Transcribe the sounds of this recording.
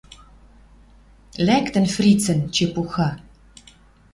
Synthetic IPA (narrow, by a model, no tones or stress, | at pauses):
lækt̪ə̆nfrit͡sə̆nt͡ʃepuxa